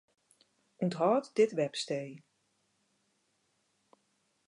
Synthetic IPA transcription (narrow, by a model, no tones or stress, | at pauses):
untɦɔːtdɪtʋɛpsteːj